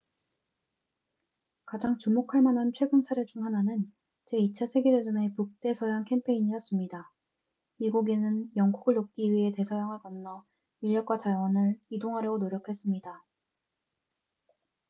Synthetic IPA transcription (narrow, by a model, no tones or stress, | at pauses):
kad͡ʑaŋt͡ɕumokʰaɭmanɦant͡ɕʰwe̞ɡɯnsʰaɾet͡ɕuŋɦananɯn | t͡ɕe̞it͡ɕʰasʰe̞ɡeɾed͡ʑʌne̞puk̚t͈e̞sʰʌjaŋkʰe̞mpʰe̞iɲiʌs͈ɯmɲida | miɡuɡenɯnjʌŋɡuɡɯɭːok̚k͈iɥiɦe̞te̞sʰʌjaŋɦaɭɡʌnnːʌ | iʎjʌk̚k͈wat͡ɕawʌnɯɭidoŋɦaɾjʌɡonoɾjʌkʰe̞s͈ɯmɲida